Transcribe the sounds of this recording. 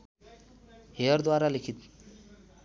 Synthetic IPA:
heəɾd̪waɾalikʰit̪̚

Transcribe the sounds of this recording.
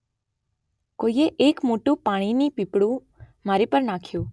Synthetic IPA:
kojeʔekmoʈũpaɽ̃inipipɽũ | maɾipəɾnakʰjũ

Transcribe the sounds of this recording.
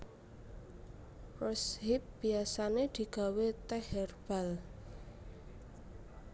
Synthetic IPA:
rɔsɦɪp̚b̥i̤asaned̪̥i̤ɡ̥a̤wet̪ɛhɛrb̥a̤l

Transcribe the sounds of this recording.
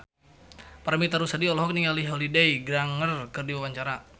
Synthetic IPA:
paɾamit̪aɾusadiɔlɔɦɔk̚niŋaliɦolidejɡɾaŋərkɨrdiwawaɲt͡ʃaɾa

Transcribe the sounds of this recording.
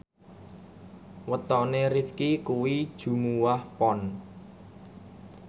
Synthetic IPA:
wət̪ɔnerifkikuwid̥ʒ̥ṳmuwahpɔn

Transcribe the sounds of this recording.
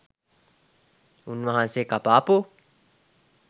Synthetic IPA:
unʋaɦãnsekapaːpu

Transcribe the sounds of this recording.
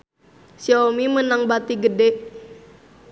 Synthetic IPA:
siomimənaŋbat̪iɡədɛ

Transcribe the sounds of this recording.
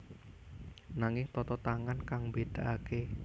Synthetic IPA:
naŋɪŋt̪ɔt̪ɔt̪aŋankaŋmbed̪̥aʔake

